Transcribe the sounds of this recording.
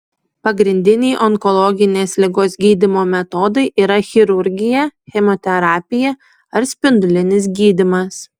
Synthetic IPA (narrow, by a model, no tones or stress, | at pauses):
pɐɡɾʲɪnʲd̪ʲɪnʲɛɪʔɔŋkɔlˠɔɡʲɪnʲeːslʲɪɡoːsɡʲiːd̪ʲɪmoːmʲɛt̪ɔːd̪ɐɪʔiːɾɐxʲɪɾʊɾʲɡʲɪjɛxʲɛmɔt̪ʲɛɾɑːpʲɪjɛ | ɐɾsʲpʲɪnd̪ʊlʲɪnʲɪsɡʲiːd̪ʲɪmɐs